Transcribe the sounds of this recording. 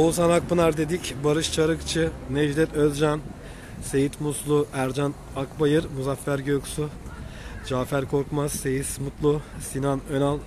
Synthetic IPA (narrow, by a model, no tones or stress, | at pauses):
olˠs̬anak̚bɯnaɾd̪e̞d̪icbaɾɯʃt͡ʃʰaɾɯkt͡ʃʰɯned͡ʒd̪ɛt̪ʰølʲd͡ʒan | se̞jit̪muslˠuæɾd͡ʒan | akbajɯɾmuzafːæɾɟøjkʰu̥su | d͡ʒaːfæɾkʰo̞ɾkmaz̥ːe̞jismut̪lˠusinanønalˠ